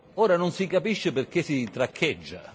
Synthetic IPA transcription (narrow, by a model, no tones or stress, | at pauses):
oːɾanonsikapiʃːeperk̟esit̪ɾakʰːed͡ʒːa̰